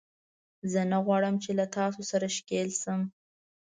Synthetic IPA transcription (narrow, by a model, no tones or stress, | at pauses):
zənaɣwɑɽəmt͡ʃelat̪ɑsosaɾaʃkelsəm